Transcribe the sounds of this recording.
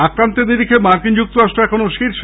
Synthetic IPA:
akɾant̪ed̪iɾikʰemaɾkind͡ʑuk̚t̪oɾaʃʈɾoɛkʰonoʃiɾʃ

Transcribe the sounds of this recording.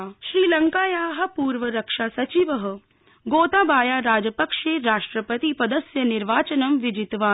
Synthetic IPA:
ʃɾiːlɐŋkaːjaːɦɐ̆puːɾʋɐɾɐkʂaːsɐt͡ʃiʋɐɦɐ̆ | ɡoːt̪aːbaːjaːɾaːd͡ʒɐpɐkʂeːɾaːʂʈɾɐpɐt̪ipɐd̪ɐsjɐniɾʋaːt͡ʃɐnɐmʋid͡ʒit̪ʋaː

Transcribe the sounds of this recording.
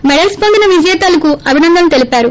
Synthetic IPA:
mɛɽɐlspɐnd̪inɐʋid͡ʒɐjɛt̪aːlɐkuɐbʱinɐnd̪ʱɐmt̪e̞lipaːɾu

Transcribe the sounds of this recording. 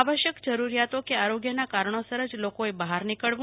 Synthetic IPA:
aʋəʃjəkd͡ʒəɾuɾijat̪okeaɾoɡjənakaɾɳ̃osəɾəd͡ʒlokoebəɦaɾnikəɭʋ̃

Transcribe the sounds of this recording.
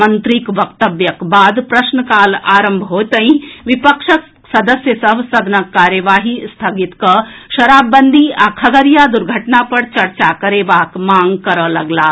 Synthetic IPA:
mɐnt̪ɾikʋɐk̚t̪əʋjɐkbaːd̪pɾɐʃnəkaːlaːɾəmbʱɦoːt̪əĩʋɪpəkʂək | sɐd̪əsjəsɐbsɐd̪ʱnɐkːaːɾjəʋaːɦist̪ʰɐɡit̪kɐʃɐɾaːbːɐnd̪ʱiakʰɐɡəɾjad̪uɾɡʱɐʈnapɐɾt͡ʃɐɾt͡ʃakɐɾeːbaːkmãːŋɡkɐɾəlɐɡlaː

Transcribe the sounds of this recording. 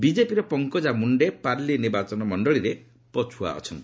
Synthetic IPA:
bid͡ʒepiɾɔpɔŋkɔd͡ʒamuɳɖepaɾliniɾbat͡ʃɔnɔmɔɳɖɔɭiɾe | pɔt͡ʃʰua̰ɔ̰t͡ʃʰɔnt̪i

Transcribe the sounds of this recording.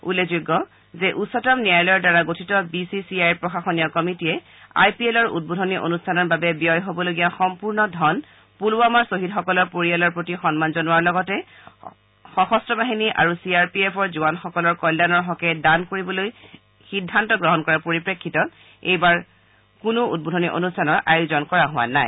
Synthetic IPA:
ulːezuɡːɔ | zɛʔusɔtɔmnijajlɔjɔɹdaɹaɡotʰitɔbisisiajpɹɔxaxɔnijɔkɔmitiɛ | a̰jpielɔɹṵd̚bodʱɔniʔo̰nustʰanɔɹbabɛbijɔjɦobɔloɡijaxɔmpuɹnɔdʱɔn | puluamaɹsoɦitxɔkɔlɔɹpoɹialɔɹpɹotixɔnmanzɔnuwaɹlɔɡɔtɛ | xɔxɔstɹɔbaɦiniʔa̰ɹusiaɹpiepʰɔɹzuanxɔkɔlɔɹkɔjlːanɔɹɦɔkɛdankoɹibɔloj | xidʱːantɔɡɹɔɦɔnkɔɹapoɹipɹekʰːitɔ | ejbaɹ | kʊnʊut̚bodʱɔniʔo̰nustʰanɔɹʔajozɔnkɔɹaɦʊwa̰na̰j

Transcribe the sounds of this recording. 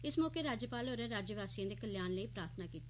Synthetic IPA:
ɪsmɔːkeːɾaːd͡ʒəpaːloːɾɛ̃ːɾaːd͡ʒəʋaːsijãːd̪eːkəljaːnləiːpɾaːɾt̪ʰnaːkiːt̪e̥

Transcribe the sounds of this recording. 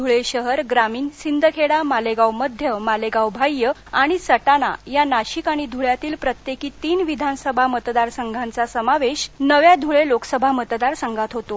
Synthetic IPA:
d̪ʱuɭeɕəɦəɾɡɾamiːnsind̪ʱəkʰeɽamaleɡawməd̪ʱjəmaleɡawbʱajːəaɽ̃isəʈana̰janaɕikaɽ̃id̪ʱuɭjat̪iːlpɾət̪jekiːt̪iːnʋid̪ʱansəbʱamət̪d̪aɾsəŋɡʱant͡sasəmaʋeɕnəʋjad̪ʱuɭeloksəbʱamət̪d̪aɾsaŋɡʱat̪ɦot̪o

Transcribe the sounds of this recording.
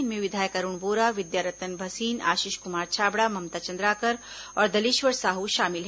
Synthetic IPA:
nmẽʋɪd̪ʱaːjkɐɾuɳ̃ʋoːɾaːʋɪd̪jaːɾət̪ənbʱɐsiːna̰ːʃiːʃkʊmaːɾt͡ʃʰaːbɽaːmɐmt̪aːt͡ʃɐ̃nd̪ɾaːkəɾ | ɔːɾd̪ɐliʃʋəɾsaːɦuʃaːmɪlɦ

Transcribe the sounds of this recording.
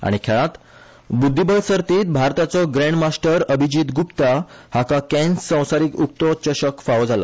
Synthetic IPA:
a̰ɽ̃ikʰɛɭãt̪ | bud̪ʱːibəlsəɾt̪iːt̪̚bʱaɾt̪at͡sɔɡɾẽɳɖmasʈəɾəbʱid͡ʑiːt̪ɡupt̪ahakakɛ̃nssːə̃w̃saɾikuk̚t̪ɔt͡ɕəɕəkfaʋd͡zala̰

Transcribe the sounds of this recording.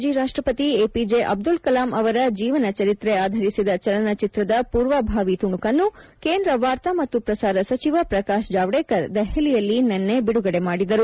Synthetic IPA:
d͡ʒiɾaːʂʈɾɐpɐt̪ieːpid͡ʒeʔɐ̰b̚d̪ulkɐlaːmɐʋɐɾɐd͡ʒiːʋɐnɐt͡ʃɐɾit̪ɾeaːd̪ʱɐɾisid̪ɐt͡ʃɐlɐnɐt͡ʃit̪ɾɐd̪ɐpuːɾʋaːbʱaːʋit̪uɳukɐnːukeːnd̪ɾɐʋaːɾt̪amɐt̪ːupɾɐsaːɾɐsɐt͡ʃiʋɐpɾɐkaːʃd͡ʒaːʋɽeːkɐɾd̪ɛhɛlijɐlːinenːe̞biɽuɡɐɽe̞maːɽid̪ɐɾu

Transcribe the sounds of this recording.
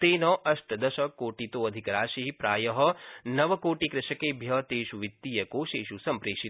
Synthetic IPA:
t̪eːnɐʔɐʃʈɐd̪ɐʃɐkoːʈit̪oːɐd̪ʱikɐɾaːʃiɦipɾaːjɐɦɐnɐʋɐkoːʈikɾɪʃɐkeːbʱjɐt̪eːʃuʋit̪ːiːjɐkoːʃeːʃusɐmpɾeːʃi

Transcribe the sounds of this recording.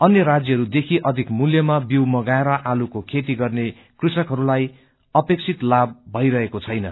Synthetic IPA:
ʌnjʌɾad͡zjʌɦʌɾud̪ekʰiʔʌd̪ʱikmuljʌmabiwmʌɡaeɾʌʔalukokʰet̪iɡʌrne | krisʌkɦʌɾulaj | ʌpek̚t͡sʰit̪labːʱʌiɾʌɦekot͡sʰʌjnʌ̰

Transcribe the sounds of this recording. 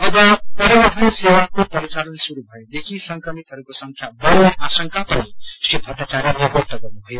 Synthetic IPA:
ʌbʌpʌɾiwəʈʰʌnsewakopʌɾit͡ʃalʌnsuɾubʱʌed̪ekʰisʌŋkɾʌmit̪ɦʌɾukosʌŋkʰjabʌɾʌʔasʌŋkʰapʌnisipʰʌʈnat͡ʃaɾjʌnekoɾt̪ʌɡʌnubʱʌjo

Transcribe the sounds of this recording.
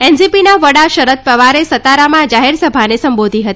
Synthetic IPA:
ɛnsipinaʋəɽaʃəɾət̪̚pɾəʋaɾesət̪aɾamãd͡ʒaɦeɾsəbʱanesəmbod̪ʱiɦət̪i

